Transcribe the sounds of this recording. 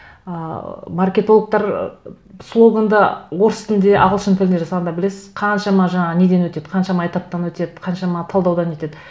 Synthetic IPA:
əmarkʲe̞t̪o̞lˠək̚t̪ɑɾ | slˠo̞ɡand̪əwo̞ɾst̪ɪnd̪e̞ʔɑ̰ʁəlˠʃənt̪ʰɪlɪneʒɑsɑʁɑd̪ɑbɪle̞sɪz̥qʰɑnʃɑmɑʒɑɴɑʁne̞d̪e̞nwɵt̪e̞d̪̥qʰɑnʃɑmɑːjt̪ɑp̚t̪ɑnwɵt̪e̞d̪ɪqʰɑnʃɑmɑt̪ʰɑlˠd̪ɑwd̪ɑnwet̪e̞d̪ɪ

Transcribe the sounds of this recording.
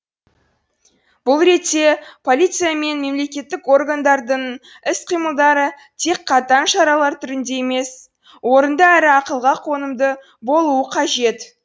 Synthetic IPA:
b̥ʊlˠɾe̞t̪se̞pʰo̞lʲit̪sɨjame̞nme̞mle̞kʲe̞t̪ːɪko̞rɡand̪ɑɾd̪əɴ | ɪsqʰijməlˠd̪ɑɾə | t̪ʰe̞kqʰɑt̪ɑnʃɑɾɑlˠɑɾt̪ʰʏɾɪnd̪e̞jeme̞s | wo̞ɾənd̪əæɾɪɑqəlˠʁɑqʰo̞nəmd̪ə | bo̞lˠuəqʰɑʒe̞t̪

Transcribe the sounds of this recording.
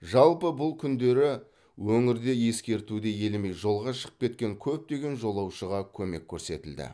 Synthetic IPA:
ʒɑlˠpəbʊlˠkʲʰʏnd̪e̞ɾɪ | wɵŋɪɾd̪e̞je̞skʲe̞ɾt̪ud̪eje̞lme̞jʒo̞lˠʁɑʃə̥qə̥p̚kʲe̞t̪̚kʲe̞ŋkʲʰɵp̚t̪e̞ɡʲe̞nʒo̞lˠɑwʃəʁɑkʲʰɵme̞kʲʰːɵɾse̞̰t̪ɪld̪ɪ̰

